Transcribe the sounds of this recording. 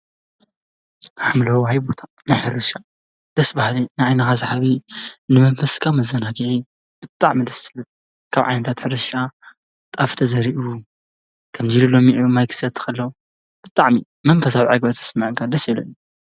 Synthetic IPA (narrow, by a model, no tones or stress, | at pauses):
ħamlɐwɦajbot̪ʰa | najħɨɾɨʃa | d̪̥ɐsbahlinajʕajnɐxazaħaβinɨmɐɱfɐskʰawmɐzɐnaɡiʕi | b̥ɨt̪ʼaʕmid̪ɐsɨlɨt̪̚ | kʰaβʕa̰jnɐt̪ʰat̪ħɨɾɨʃa | t̪ʼaft̪ʰɐzɐɾiʔu | kʰɐmzilulomiʕmajkʰɨ̥sɐt̪ʰːɨ̥kɐlːɐwu | b̥ɨt̪ʼaʕmi | mɐnfɐsawiʕaɡbɐt̪ʰɐ̥smaʕɨŋkʰad̪ɐsilonu